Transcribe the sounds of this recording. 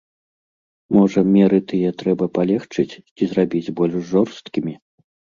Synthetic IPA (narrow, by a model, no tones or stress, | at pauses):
mɔʐɐmʲɛɾɨt̪ɨjɛt̪ɾɛbɐpalʲɛxt͡ʂɨt͡sʲt͡sʲizrabʲid͡zʲbɔlʲʐʐɔrst̪kʲimʲi